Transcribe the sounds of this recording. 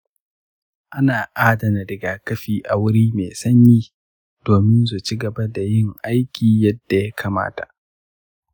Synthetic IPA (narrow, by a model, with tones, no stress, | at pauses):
ʔa˦naː˨ʔaː˦dɐ˨na˨dɪ˨ɡaː˨kɐ˦ɸiː˨ʔa˨wʊ˦ɾiː˦meː˨sɐ˦ɲjiː˦ | d̥oː˨mɪ˦nsu˨t͡ʃi˦ɡɐ˨ba˦da˨jɪ˦ŋʔa˦jkʲiː˨jɐ˦dːa˨ja˦kʰaː˨ma̰ː˦ta̰˨ʔ